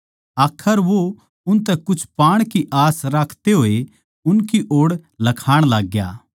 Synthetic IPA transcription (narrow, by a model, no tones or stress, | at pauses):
aːkʰːəɾʋo | ʊnt̪̬ɛkʊt͡ʃʰpaːɽ̃kiʔaːsɾaːkʰt̪eɦoːe | ʊnkiʔoːɽlɐkʰaːɽ̃laːɡja̰ː